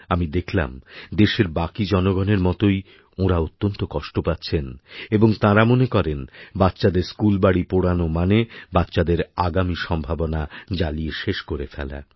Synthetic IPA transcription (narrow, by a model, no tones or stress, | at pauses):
amid̪ekʰla̰md̪eʃeɾbakid͡ʑɔnoɡɔneɾmɔt̪oj | oɾaot̪ːont̪okɔʃʈopatːɕʰeneboŋt̪ãɾamonekɔɾenbat̪ːɕad̪eɾskulbaɽipoɽanomanebat̪ːɕad̪eɾaɡamiʃɔmbʱabonad͡ʑalieʃeʃkoɾefɛ̰la̰